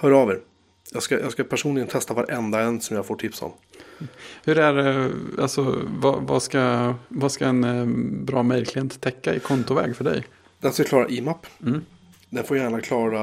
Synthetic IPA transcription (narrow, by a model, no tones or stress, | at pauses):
hœːɖɑːveɾ | jɑːɡskajɑːɡskapʰæʂuːnlɪɡənt̪ʰɛst̪avaɾʔɛnd̪aɛnːsɔmjaɡfoːʈʰɪpsɔ̰m | hɵɾæɾalsɔva̰va̰skavaskaɛnbɾɑːmɛlkʰlɪheːnt̪t̪ʰːɛkːaɪkʰɔnt̪ʊvɛ̰ːɡfœɖɛ̰j | d̪̥ɛnskakʰlɑːɾa̰ʔiːmapːm̩ː | d̪ɛnfoːɾjæːɳakʰlɑːɾa